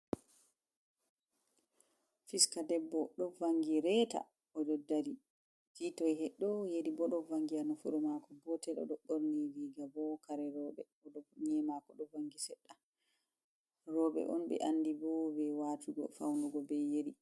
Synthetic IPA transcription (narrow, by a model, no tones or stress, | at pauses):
fiskadɛbːɔɗɔvaŋɡiɾɛːta̰ | ɔd͡ʒɔdːaɾi | vitɔjhɛɗːɔjeɗibɔɗɔvaŋɡianɔfuɾɔmakɔbɔtɛlɔ̰ɗɔɗoɾniliɡabɔkaɾɛɾɔːɓɛ | ɔɗɔɲɛmakɔɗɔvaŋɡisɛɗːa | ɾɔːɓɛ̰ʔɔ̰nɓɛ̰ʔanːdibɔbɛwatuɡɔ̰fa̰wnduɡɔbɛjeɗi